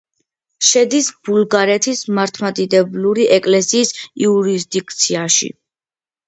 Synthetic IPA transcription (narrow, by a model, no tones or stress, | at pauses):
ʃɛd̪isb̥ulɡaɾɛt̪ʰismaɾt̪ʰmat̪ʼid̪ɛbluɾiʔɛkʼlɛsiːsiuɾisd̪ik̚ʰt̪sʰiaʃḭ